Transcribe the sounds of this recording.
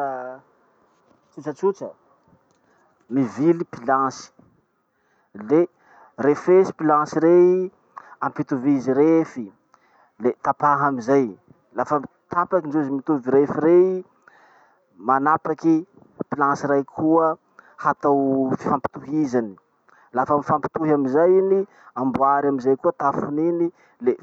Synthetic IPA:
t͡sit͡sat͡sut͡ʃə | mivilipilãsi̥ | le | refesi̥pilãsiɾei | ampit̪uviziɾefi | let̪apaɦamizaj | lafa | t̪apakinɖ͡ʐuzimit̪uviɾefiɾei | manapaki | pilãsiɾajkʰuə | hat̪awfi̥fampi̥t̪uɦizani̥ | lafamifampi̥t̪uɦamizajini | ambuaɾamizajkuət̪afunini | le

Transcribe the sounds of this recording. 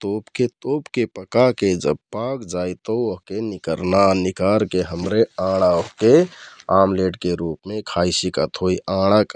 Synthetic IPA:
t̪oːpket̪oːpkepəkaked͡ʒə̰b̚paːkd͡ʒaːit̪əoɦkenɪkəɾnanɪkaːɾkeɦəmɾeãːɽ̃aoɦkeaːmleːʈkeɾuːpmẽkʰaːisikət̪ɦoiʔãːɽ̃ək

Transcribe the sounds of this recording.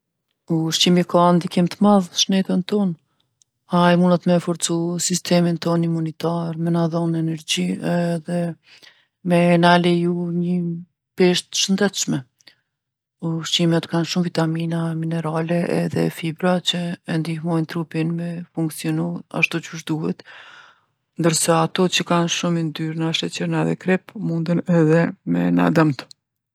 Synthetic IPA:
uʃt͡ʃimikand̪ikimt̪əmaðʃnɛt̪ənt̪ɔn | ajmunat̪mɛfɔɾt͡susist̪ʰɛmint̪ɔnimunit̪aɾmɛnaðɔnɛnɛɾd͡ʑiɛðɛ | mɛnalɛjuɲə | pɛʃt̪ə̥ʃənd̪ɛt̪ʃmɛ | uʃimɛt̪kanʃumvit̪aminaminɛɾalɛʔɛ̰ðɛ̰fibɾat͡ɕəɛnd̪ihmɔjnt̪ɾupinmɛfuŋksiɔnua̰ʃt̪ut͡ʃuʃd̪uhɛt̪ | nd̪əɾsaːt̪ɔt͡ɕəkanʃumind̪yɾnaʃɛt͡ɕəɾnaðɛ̰kɾɛpmund̪ənɛðɛmɛ̰na̰d̪əmt̪

